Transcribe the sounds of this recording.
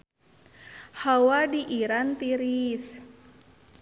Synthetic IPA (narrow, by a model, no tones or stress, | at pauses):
hawadiʔiɾant̪iɾis